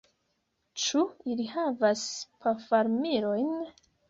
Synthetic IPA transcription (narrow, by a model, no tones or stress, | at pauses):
t͡ʃuilihavaspʰafaɾmiɾo̞jn